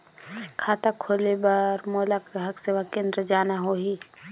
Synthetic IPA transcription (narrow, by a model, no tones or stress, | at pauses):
kʰaːt̪akʰoːlebəɾmoːlakɾɦəkseʋakẽːnd̪ɾəd͡ʒaːnaɦoːɦiː